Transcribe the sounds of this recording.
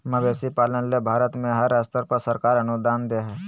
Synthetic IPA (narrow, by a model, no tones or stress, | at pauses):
mɐbeːsipaːlənlebʱaːɾət̪mẽɦəɾːast̪əɾpəɾsəɾkaːɾənud̪aːnd̪eɦɛː